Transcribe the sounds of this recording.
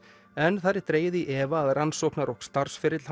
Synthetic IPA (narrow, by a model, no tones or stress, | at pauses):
ɛnθaɾɪt̪ɾeːjʏðiʔɛːvaːðransɔːknaɾowkst̪aɾ̥sfɪɾɪt̪lha